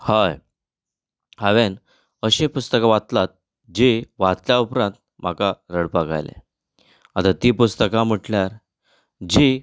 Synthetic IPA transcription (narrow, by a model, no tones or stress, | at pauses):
haj | haʋen | əɕĩpust̪əkaʋat̪lat̪̚ | d͡ʑiʋat̪ljaupɾãnt̪̚ | m̤akaɾəɽpaɡa̰jlḛ | at̪at̪iːpust̪əkam̤əʈljaɾ | d͡ʑi